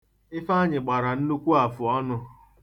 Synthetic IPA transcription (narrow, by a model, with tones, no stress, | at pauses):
ɪ˦fa˦ɲɪ˨ɡ͡ba˨ɾa˨n̩˦nu˦kʷu˦a˨fʊ˨ɔ˦nʊ˦